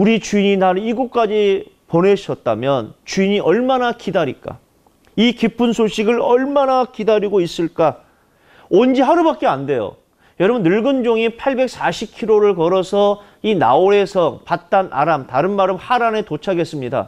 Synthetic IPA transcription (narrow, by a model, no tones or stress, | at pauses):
uɾit͡ɕuiɲinaɾiɡuk͈ad͡ʑi | pone̞ɕʰʌt̚t͈a̰mjʌnt͡ɕuiɲiʔʌɭmanakidaɾḭk͈a̰ | ikipʰɯnsʰoɕʰiɡɯɭʌɭmanakidaɾiɡois͈ɯɭk͈a | ond͡ʑiɦaɾɯbak̚k͈eande̞jo̰ | jʌɾʌbɯnːɯɭɡɯnd͡ʑoŋipʰaɭbe̞k̚s͈aɕʰip̚kʰiɾoɾɯɭkʌɾʌsʰʌ | ina̰oɾe̞sʰʌŋpat̚t͈anʔa̰ɾamtaɾɯnmaɾɯmhaɾane̞tot͡ɕʰaɡe̞s͈ɯmɲida̰